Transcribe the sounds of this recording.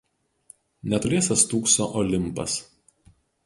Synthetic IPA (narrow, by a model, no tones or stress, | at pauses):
nʲɛt̪ʊɾʲeɛsɐst̪uːksoːʔɔlʲɪmˑpɐ̰s